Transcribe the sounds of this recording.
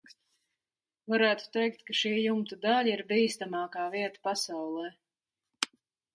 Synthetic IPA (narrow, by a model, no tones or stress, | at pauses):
vaɾæːt̪u̥t̪ɛjkt̪kaʃiːjumt̪ud̪alʲiɾbiːst̪amɑːkaːviɛt̪ḁpasawlˠɛː